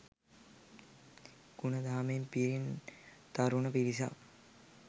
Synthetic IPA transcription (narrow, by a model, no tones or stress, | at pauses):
ɡ̥unɐd̪aːmempiɾin | t̪aɾunəpiɾisa̰